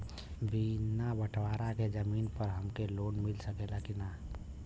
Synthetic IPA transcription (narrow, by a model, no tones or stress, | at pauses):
binabəʈʰʋaɾaked͡ʒəminpəɾɦəmkelonmilsəkelakina